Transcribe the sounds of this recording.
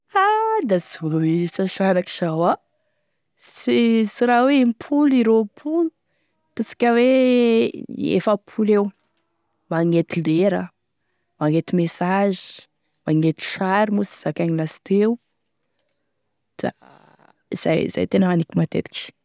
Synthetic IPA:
ad̪azoisaʃaɾaki̥ʃawa | sisiɾaweimpʰuliɾopʰulu | t̪usi̥kʲəwe | ḛfəpʰulew | maŋet̪ileɾə | maŋet̪imesazi̥ | maŋet̪i̥ʃaɾimusi̥z̥akaɲilasi̥t̪ew | d̪̥a̰ | z̥a̰jza̰jt̪enəanikimat̪ḛt̪i̥ki̥

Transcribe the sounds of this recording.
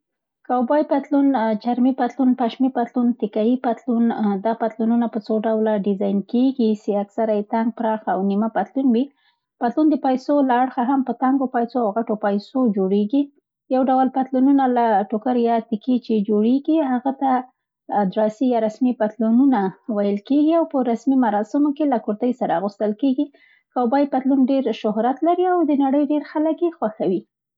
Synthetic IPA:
kawbɑjpat̪lunt͡ʃaɾmipat̪lunpaʃmipat̪lunt̪ɪkajipat̪lund̪ɑpat̪lununapət͡soɖawlaɖɪzɑjnkeɡiseaksaɾajet̪aŋɡ̚pɾɑxaawnimapat̪lunwi | pat̪lund̪əpajsolaːɽxaɦampət̪aŋɡopajsoawɣaʈopajsod͡ʒoɽeɡi | jawɖawəlpat̪lununalaʈokaɾjɑt̪ɪket͡ʃed͡ʒoɽeɡiɦaɣat̪a | d̪ɾɑsijɑɾasmipat̪lununawajəlkeɡiawpəɾasmimaɾɑsɪmokelakuɾt̪əjsaɾaɣust̪əlkeɡi | kawbɑjpat̪lunɖeɾʃʊɦɾat̪laɾiawd̪ənaɽəjɖeɾxaləkjexwaxawi

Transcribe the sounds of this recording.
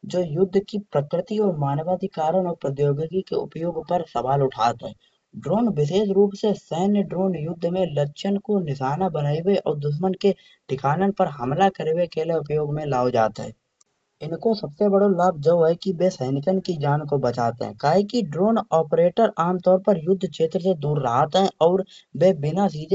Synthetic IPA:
d͡ʒoːjʊd̪ʱːkipɾəkɾɪt̪iɔːɾmaːnʋaːd̪ikaːɾəñɔːɾpɾət̪joːɡəɡikeʊ̰pjoːɡpəɾsəʋaːlʊʈʰaːt̪ɦɛ̰ː | ɖɾoːnʋɪʃ̬eːʃɾuːpsesəɦnəɖɾoːnjʊd̪ʱːmẽlətːʃʰənkonɪʃaːnabənaːiweʔɔ̰ːɾd̪ʊʃ̬mənke | ɖʱɪkʰaːnənpəɾɦəmlakəɾewekeːleʊpjoːɡmẽlaːod͡ʒa̰ːt̪ɦɛ̰ː | ɪnkosəbsebəɽolaːb̚ʱd͡ʒoːɦɛkibesəɪnɪk̪ənkid͡ʒaːnkobət͡ʃa̰ːt̪ɦɛ̰̃kaːɦikiɖɾoːnɔːpɾeːʈəɾaːmt̪ɔːɾpəɾjʊd̪ʱːkʃeːt̪ɾəsed̪uːɾːəɦat̪ɦɛ̃ʔɔːɾbeːbɪnasiːd͡ʒ

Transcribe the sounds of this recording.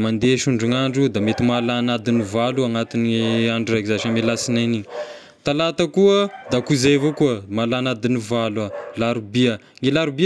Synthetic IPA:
mand̪eʃuɳɖ͡ʐuŋaɳɖ͡ʐud̪amet̪imalanad̪inivaluaŋat̪inaɳɖ͡ʐurakizaʃamelasinaniɲ | t̪alat̪akuəd̪akuzevokuəmalanad̪inivalwalaɾubia | ŋelaɾubi

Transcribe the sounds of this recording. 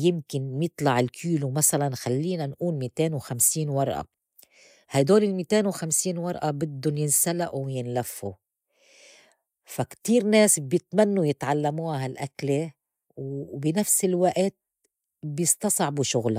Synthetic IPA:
jɪmkɪnjɨt̪ˤlɑʕɪlkʰiːlumasalanxalːiːnanʔuːnmiːt̪eːnwxamsiːnwɑɾˤʔa̰ | hajd̪oːlɪlmiːt̪eːnwxamsiːnwɑɾˤʔabɪd̪ːʊnjɪnsalaʔuwjɪnlafːu | fakt̪iːɾneːsbjɪt̪manːujɪt̪ʕalːamuːhaɦalʔakle | wbɪnafsɪlwaʔt̪̚ | bjɪst̪ɑsˤʕbuʃʊɣla

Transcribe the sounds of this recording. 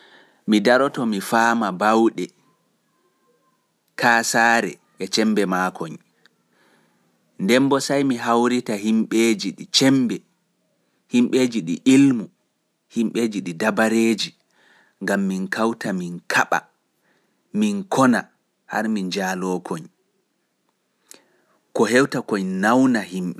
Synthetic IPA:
midaɾɔtɔmifaːmabawɗɛ | kʰaːsaːɾɛ̰ | ʔɛt͡ʃɛmbɛmakʰɔɲ | ndɛmbɔsajmiɦawɾitaɦimɓeːd͡ʒiɗit͡ʃɛmbɛ | himɓeːd͡ʒiɗiʔilmu | himɓeːd͡ʒiɗidabaɾeːd͡ʒi | ŋɡamːinkawtaminkʰaɓa̰ | minkʰɔna | ha̰ɾmind͡ʒaːlɔkʰɔɲ | kɔɦɛwtakɔɲnawnahimɓɛ

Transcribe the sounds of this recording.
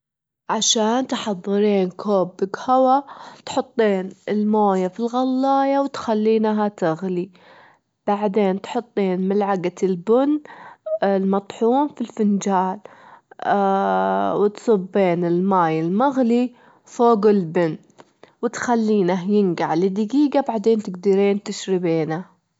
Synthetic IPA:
ʕaʃaːnt̪ħɑðˤːɨɾiːnkʰoːbɪɡhawat̪ħʊt̪ˤːiːnɪlmoːjafilɣɑlːɑːjawt̪xalːiːnɦat̪ɪɣli | b̥aʕd̪eːnt̪ħʊt̪ˤːiːnmɪlʕaɡat̪ɪlbʊn | lmɑt̪ˤħuːmfilfɪnd͡ʒaːl | wɪt̪sˤɨbːeːnɪlmaːjɪlmaɣli | foːɡɪlbɪn | wɪt̪xalːiːnaɦjɪnɡaʕlɪd̪ɪɡiːɡabaʕd̪eːnt̪ɪɡd̪ɪɾeːnt̪ɪʃɾɪbeːna

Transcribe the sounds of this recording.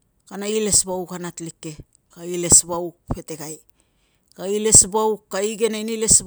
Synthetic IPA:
kanaile̞sbawkanatlikːe̞ | kaile̞sβawpe̞te̞ɡaj | kaile̞sbawkaiɡe̞nainile̞sb

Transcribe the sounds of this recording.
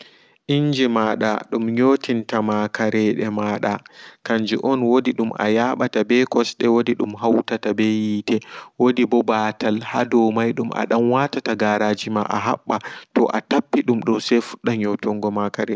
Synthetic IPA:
ʔiɲd͡ʒimaɗa̰ɗumɲoːtintamakaɾɛɗɛmaːɗakaɲd͡ʒiʔɔnwodiɗumʔa̰jaɓatabɛkɔsɗɛwodiɗumɦawtatabɛjitɛwodibɔbatalha̰dɔmajɗumʔa̰ɗamwatataɡaːɾaːd͡ʒimaʔa̰ɦa̰ɓːatɔ̰ʔatapːiɗumɗɔsɛfu̥ɗːaɲɔtɔŋɡɔmakaɾɛ

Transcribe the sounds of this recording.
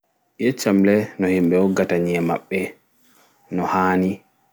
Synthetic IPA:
jet͡ʃːamlɛnɔhimɓɛwɔɡataɲiɛma̰ɓːɛ | nɔhaːni

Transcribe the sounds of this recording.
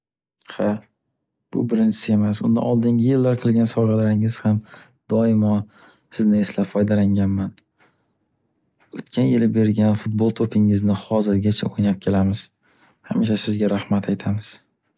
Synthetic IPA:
ha | b̥ʊ̰bɪɾɪnt͡ʃʰɪ̥sɪe̞masʊnd̪a̰nɒlˠd̪ɪŋɡʲɪjɪlːaɾqʰɨlˠɡʲansɒʁɑlaɾɪŋɪz̥ham | d̪̥ɒɪmɒn | sɪznɪeslapfɒjd̪alaŋʲanman | ot̪kʲʰanjɪlɪbe̞ɾɡʲanfʊt̪̚bolˠt̪ʰopʰɪŋɪznɪhɒzɪɾɡʲat͡ʃʰaojnap̚kʲʰe̞lamɪz̥ | hamɪʃasɪzɡʲaɾahmat̪ʰajt̪ʰamɪz̥

